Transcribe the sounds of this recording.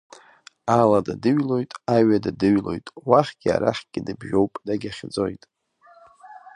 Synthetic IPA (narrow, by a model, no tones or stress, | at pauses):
aladadɨɥlo̞jtʼaɥadadɨɥlo̞̰jtʼwaχʲɡ̥ʲɪa̰ɾaħʲɡ̥ʲɪdɨbʒᶣo̞wpʼdaɡʲaχʲd͡zo̞jtʼ